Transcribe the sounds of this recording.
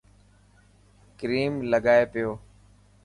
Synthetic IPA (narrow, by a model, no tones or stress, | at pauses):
kɾiːmləɡaːeːpɪjoː